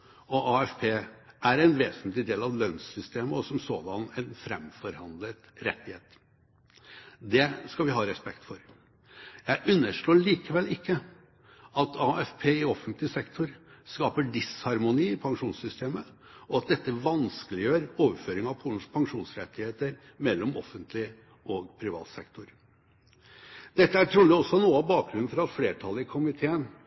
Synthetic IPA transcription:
ɔʔɑɛfpʰeːʔæɾɛnʋeːsnt̪lɪd̪eːlɑʋlœnsʏst̪ʰeːməɔsɔmsoːd̪ɑnɛnfɾɛ̰mfɔɾhɑnd̪lət̪ɾɛ̰t̪ːɪheːt̪ | d̪ɛskɑʋɪɦɑːɾɛspɛkt̪fɔɾ | jæɪʔʉnːəʂɭoːɭiːkəʋɛlɪkːə | ɑt̪ʰɑːɛfpʰeːɪɔfənt̪lɪsɛkt̪ʰʊɾskɑːpəɖɪshɑɾmʊniːɪpʰɑŋʂuːnsʏst̪ʰeːmə | ɔɑt̪̚d̪ɛt̪ːəʋɑnskəlɪjøːɾoːʋəɾføːɾɪŋɑʋpʰuːln̩spʰɑŋʂuːnsɾɛt̪ːɪheːt̪əɾ | mɛlːɔmɔ̰fənt̪ʰlɪə | ɔɡpʰɾɪʋɑ̰ːt̪sɛkt̪ʰʊɾ | d̪ɛt̪ːəæʈʰɾuːlɪɔsɔnuːɑbɑːk̚ɡɾʉn̩fɔɾɑt̪fleːʈʰɑlːəɪkʰʊmɪt̪ʰeːən

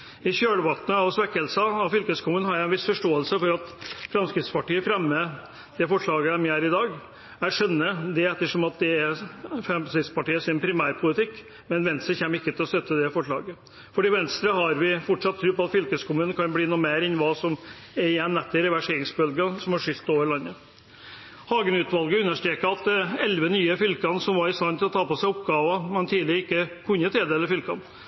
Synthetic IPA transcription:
ɪçøːɽəʋɑt̪ənəɑʋsʋɛkːəlsɑɑʋfʏlkəskʰʊmʉːnhɑɾæɪnʋɪsfɔʂʈoːəlsəfɔɾɑt̪fɾɑmskɾɪt̪spɑʈiːəfɾɛmːə | d̪̥ɛfɔʂɭɑːɡəæmiæːɾɪd̪ɑːɡ | æʂœnːəd̪ɛɛt̪ːəʂɔmɑt̪̚d̪ɛæɾfɛmsɪt̪spɑʈiːəsɪnpʰɾɪmæːɾpʰʊlɪt̪ʰɪkː | mɛnʋɛnst̪ɾəçɛmːəɾɪkːət̪ʰɪlɔst̪œt̪ːəd̪ɛfɔʂɭɑ̰ːɡə | fɔɖiːʋɛnst̪ɾəɦɑɾʋɪfɔʈʂɑt̪ʰːɾʉːpɔɑt̪fʏlkəskʰʊmʉːnnkʰɑnbliːnuːmeːɾɪnʋɑːsɔm | ɛɾɪjɛnːɛt̪ːɪɾɛʋæʂeːɾɪŋsbœlɡəsɔmɑʂʏlt̪ːoːʋəɭɑnːə | hɑːɡənʉːt̪ʋɑlɡəʉnːəʂt̪ɾeːkəɑt̪ɛɛlʋənyːəfʏlkɑnsɔmʋɑɾɪst̪ɑnt̪ʰɪlɔt̪ʰɑːpɔsæɪɔpɡɑːʋɑmɛnt̪ʰiːlɪɪkːəkʰʉnːət̪ʰeːd̪ɛːləɾfʏlkɑn

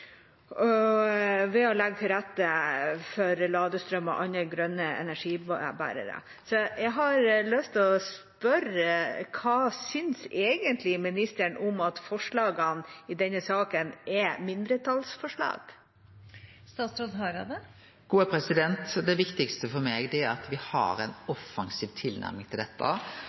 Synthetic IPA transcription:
ɔ | ʋɛɔlɛɡ̚t̪ʰɪlɾæt̪ːəfɔɾlɑːd̪əst̪ɾœmɑ̰ʔɑnːəɡɾœnːəɛ̰næʂiːbæ̰ːɾə̰ɾə̰ | sɔjæɪɦɑɾlœst̪ʰɪlɔspœɾəkʰɑːsʏnseːɡənt̪ʰlɪmɪnɪst̪əɳʊmɑt̪fɔʂɭɑːɡənɪd̪ɛnːəsɑːkənɛmɪnd̪ɾət̪ʰɑlsfɔʂɭɑ̰ːɡ̥ | st̪ɑːt̪sɾɔd̪ɦɑɾɑd̪ə | ɡ̥uːəpʰɾɛsɪd̪ɛnt̪d̪ɛʋɪkt̪ɪkst̪əfɔɾmeːɡd̪ɛæɾɑt̪ʋɪhɑ̰ɾɛnɔfːɑŋsiːʋt̪ʰɪlnæ̰ɾmɪŋt̪ʰɪld̪ɛt̪ʰːə̰

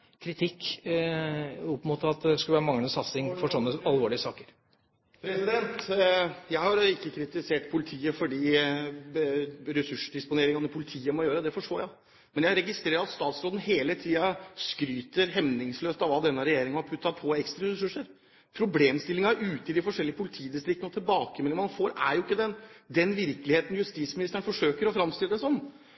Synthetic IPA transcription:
kʰɾɪt̪ʰɪkː | ɔpmot̪ɑt̪̚d̪ɛskʉlʋæːɾəmɑŋəsɑt̪sɪŋfɔʂɔnːəɑlʋoːɭɪəsɑːkəɾ | pʰɾɛsɪd̪ɛnt̪ | jæɪhɑɾɪkːəkʰɾɪt̪ɪseːʈpʰʊlɪt̪ʰiːəfɔɖiː | ɾɛsʉʂəɖ̪ɪspʊneːɾɪŋɑnəpʰʊlɪt̪ʰiːəmɔjøːɾəd̪ɛfɔʂʈoːjæɪ | mɛnjæɪɾɛɡɪst̪ɾeːɾəɾɑt̪st̪ɑːt̪sɾoːd̪n̩heːlət̪ʰiːɑskɾyːt̪əɾɦɛʋnɪŋsløːst̪ɑʋɑːd̪ɛnːəɾɛjeːɾɪŋɑhɑɾpʰʉt̪ːɑpʰɔɛkst̪ɾɑɾɛsʉʂːəɾ | pʰɾʊbleːmst̪ɪlːɪŋɑʉːt̪əɪd̪ɪfɔʂɛlːɪəpʰʊlɪt̪ʰiːd̪ɪst̪ɾɪkt̪ːənɔt̪ʰɪlbɑːkəmɛlɪmɑnfoːɾæ̰ɾjʊɪkːəd̪ɛnd̪ɛnʋɪɾkəlɪheːt̪n̩jʉst̪iːt̪smɪnɪst̪əɾəɳ̩fɔʂøːkəɾɔfɾɑmst̪ɪləd̪ɛsɔnː

